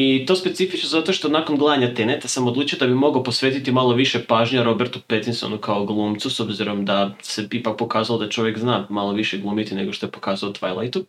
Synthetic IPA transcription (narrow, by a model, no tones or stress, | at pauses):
it̪o̞ːspe̞t̪sifit͡ʃnozat̪o̞ʃt̪o̞nako̞nɡlˠaaɲat̪enet̪asamod̪lˠuːt͡ʃijod̪abimo̞ɡaopo̞sʋeːt̪it̪imalˠo̞ʋiʃe̞paːʒɲaɾo̞beɾt̪upet̪inso̰nukaoɡlˠuːmt̪suso̞bziɾo̞md̪ase̞ipak̚po̞kaːzalod̪at͡ʃo̞ʋjekznaːmalˠo̞ʋiʃeɡlˠuːmit̪ine̞ɡo̞ʃt̪oepo̞kaːzaot̪ʋajlˠa̰jt̪u